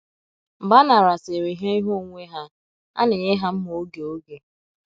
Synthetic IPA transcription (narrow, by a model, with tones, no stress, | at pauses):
m̩˨ba˦na˨ɾa˨se˨ɾi˨ɦe˦i˦ɦo˦˨ŋʷe˦ɦa˦ | a̰˦nɪ˨ɲɪ˦ɦa˦m̩˦mo˦ɡe˨o˦ɡe˨